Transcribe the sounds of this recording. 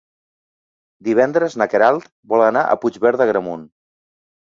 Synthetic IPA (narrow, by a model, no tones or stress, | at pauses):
d̪iβ̞ɛnd̪ɾəznəkeɾalˠt̪ | bɔlˠənaʔə̰pud͡ʒβɛɾðəɣɾəmun